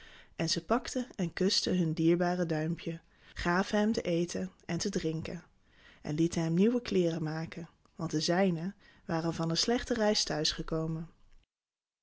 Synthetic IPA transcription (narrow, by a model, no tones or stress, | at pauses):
ʔɛnzəpɑktəɛnkɵstəɦɵndiːɹbaːrədœɥmpʰjə | χaːvəɦɛmtəʔejtəɛntədrɪŋkən | ʔɛ̰nlitənɦɛmniwəklɪːrəmaːkən | ʋɑnt̚dəzɛjnə | ʋaːrənvɑnənslɛχtərɛjstœɥsχəkowmən